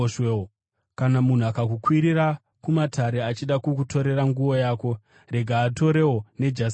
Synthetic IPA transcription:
ʃeo | kanamun̤uakakukwiɾira | kumatʰaɾe̞at͡ʃiɗakukuto̞ɾe̞ɾaŋɡuʋo̞jaːko̞ | re̞ɡʱaːto̞ɾe̞wone̞d͡ʒas

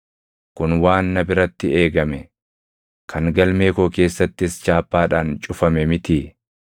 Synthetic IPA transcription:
kʊnwaːnːɐbɪɾɐt̪ːɪe̞ːɡɐmɛ | kʰɐŋɡɐlme̞ːkoːke̞ːsːɐt̪ːɪst͡ʃaːpːaːᶑaːnt͡ʃʼʊfɐmɛmɪt̪iː

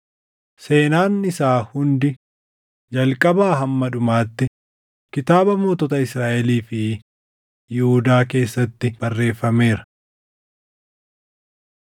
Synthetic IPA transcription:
se̞ːnaːnɪsaːhʊnd̪ɪ | d͡ʒɐlkʼɐbaːɦɐmːɐᶑʊmaːt̪ːɪ | kɪt̪aːbɐmoːt̪ɔt̪ɐɪsɾaːʔɛliːfɪ | jɪhʊd̪aːke̞ːsːɐt̪ːɪb̥ɐrːe̞ːfːɐme̞ːɾɐ̥

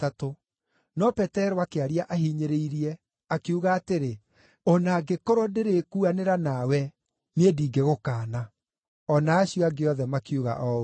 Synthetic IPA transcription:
tato | nɔpɛtɛɾoakeaɾiaʔahiɲeɾeiɾiɛ | akeuɣaːteɾe | ɔnaɡekoɾɔdeɾekuaneɾanawɛ | nediːɡeɣokaːna | ɔnaːɕiɔaɡeɔðɛmakiuɣa̰ʔɔ

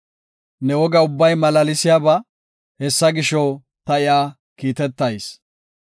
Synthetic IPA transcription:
nɛwɔɡɐʊbːɐjmɐlɐlɪsɪjaːbɐ | hɛsːɐɡɪʃɔw | t̪ɐɪjaː | kiːt̪ɛt̪ːɐjs

